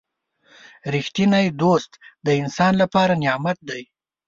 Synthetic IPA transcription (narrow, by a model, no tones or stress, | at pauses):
ɾixt̪inajd̪ost̪d̪əɪnsɑnlapɑɾanjɑmat̪̚d̪aj